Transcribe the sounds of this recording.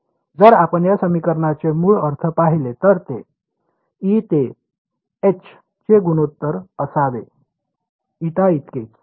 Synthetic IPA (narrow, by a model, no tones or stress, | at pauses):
d͡zəɾapəɳjasəmikəɾɳat͡semuːɭəɾt̪ʰəpaɦilet̪əɾt̪e | it̪e | et͡ɕʰ | t͡ɕeɡunot̪ːəɾəsad̪e | it̪ait̪ket͡s